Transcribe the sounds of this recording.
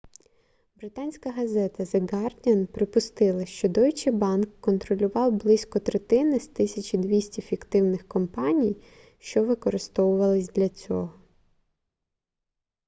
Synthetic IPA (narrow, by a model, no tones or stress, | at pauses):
bɾɪt̪ɑnʲsʲkɐɦɐzɛt̪ɐzeɡɑrdʲɐnpɾɪpʊst̪ɪlˠɐʃt͡ʃɔd̪ɔjt͡ʃɪbɑnkːɔnt̪ɾɔlʲʊʋɑwblˠɪsʲkɔt̪ɾet̪ɪnɪst̪ɪsʲɐt͡ʃid̪ʋʲisʲtʲifʲikt̪ɪwnɪxkɔmpɑnʲij | ʃt͡ʃɔʋɪkɔɾɪst̪ɔwʊʋɐlˠɪsʲd̪lʲɐt͡sʲɔ̰ɦɔ